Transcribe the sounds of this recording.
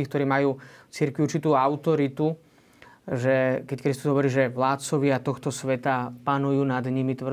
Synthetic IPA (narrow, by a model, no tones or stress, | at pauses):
iːkt̪ɔɾiːmajuːft͡siɾkʋiuɾrt͡ʃit̪uːaʊt̪ɔɾit̪u | ʒɛkɛckɾist̪uzɦɔʋɔɾiːʒɛʋlaːt̪̚t͡sɔʋɪat̪ɔxt̪ɔsʋɛt̪apanujuːnad̪ɲimit̪ʋr